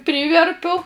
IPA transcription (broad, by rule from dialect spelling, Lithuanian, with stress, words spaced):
ˈpʲrʲiːʋʲɛrʲpʲʊ